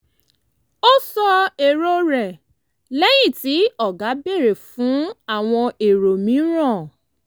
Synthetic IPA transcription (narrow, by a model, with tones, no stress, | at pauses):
o˦sɔ˧e˨ɾo˧ɾɛ˨ | lɛ˦j̃ĩ˦˨ti˨˦ɔ˦˨ɡa˨˦be˦˨ɾe˨fũ˨˦a˦˨w̃ɔ̃˧ʔe˨ɾo˨mĩ˨˦ɾ̃ɔ̃˦˨